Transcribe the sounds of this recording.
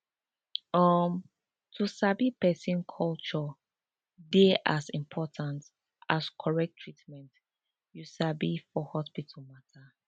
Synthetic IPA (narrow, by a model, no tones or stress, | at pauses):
ɔm | tʰusabipɛsĩnkʰɔlt͡ʃɔ | deʔasĩmpʰɔtʰãnt | askʰɔɹɛk̚tʰɹitmɛ̃nt | jusabifɔhɔspitʰɔlmatʰa